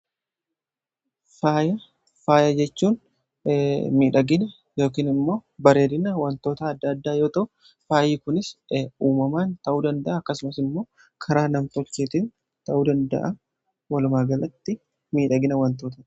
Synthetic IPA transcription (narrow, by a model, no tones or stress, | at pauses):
faːjɐ | faːjɐd͡ʒɛt͡ʃːuːn | miːᶑɐɡɪnɐ | jo̞ːkiːnɪmːo̞ːbɐɾe̞ːd̪ɪnɐwɐnt̪o̞ːt̪ɐːd̪ːɐːd̪ːaːjo̞ːt̪ɐʔʊ | faːjiːkʊnɪsuːmɐmaːnt̪ɐʔuːd̪ɐnd̪ɐʔɐːkːɐsʊmɐsɪmːo̞ː | kʰɐɾaːnɐmt̪ɔt͡ʃːeːt̪iːn | t̪ɐʔuːd̪ɐnd̪ɐ̰ʔɐ | wɐlʊmaːɡɐlɐt̪ːɪ | miːᶑɐɡɪnɐwɐnt̪oːt̪ɐ